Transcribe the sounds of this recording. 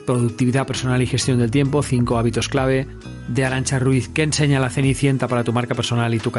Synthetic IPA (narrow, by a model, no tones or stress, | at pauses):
pɾoðuk̚t̪iβiðape̞ɾso̞nalixe̞st̪jonelt̪je̞mpoθiŋko̞aβit̪o̞sklaβ̞e̞ | d̪eaɾant͡ʃaruiθkeːnse̞ɲalaθe̞niθje̞nt̪apaɾat̪umaɾkapeɾso̞nalit̪uka